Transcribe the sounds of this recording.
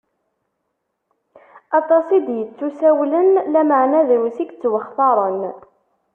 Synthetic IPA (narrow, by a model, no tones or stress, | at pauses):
ɑt̪ˤɑsˤid̪jət͡sːusæwlənlæməʕnæðɾusikt͡sːwəχθɑɾˤən